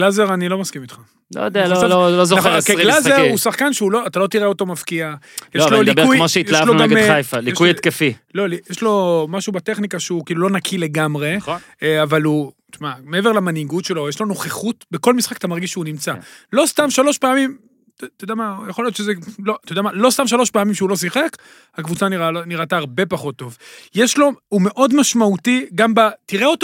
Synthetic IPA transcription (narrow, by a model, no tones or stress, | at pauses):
ɡ̥lazeʁanilo̞maskimit̪χa | lo̰jod̪eallolozoaekeɡlazeʁusaχkanʃeulo̞at̪alo̞t̪iʁeo̞t̪o̞mafkiajeʃlolibujmoʃeijlaloɡamajfalikujet̪kefilo̞lijeʃlo̞maʃubat̪e̞χnikaʃeukiːlulo̞nakʰile̞ɡamʁe̞χn | avalu | t͡ʃmameeve̞ʁlamaniɡutʃe̞lo̞jeʃlano̞χeχutbeko̞lmisχakat̪amaʁɡiʃʃeunimt͡salo̞st̪amʃalo̞ʃpeamim | t̪ojd̪amajaχolijot̪ʃezelot̪ojd̪amalo̞st̪amʃalo̞ʃpeamimʃeulo̞s̬iχek | hakvut͡saniʁaniʁataːʁbe̞paχo̞t̪ːo̞vjeʃlo̞ume̞ʔo̞d̪maʃmaut̪iɡambat̪iʁeo̞t̪